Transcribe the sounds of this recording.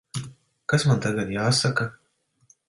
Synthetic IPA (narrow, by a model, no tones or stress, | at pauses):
kasmant̪aɡad̪jaːsaka